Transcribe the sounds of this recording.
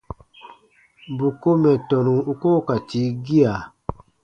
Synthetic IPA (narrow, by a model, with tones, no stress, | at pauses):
bu˨ko˦mɛ˨tɔ˨nũ˨u˨ko˦ka˨ti˨˦ɡi˦a˨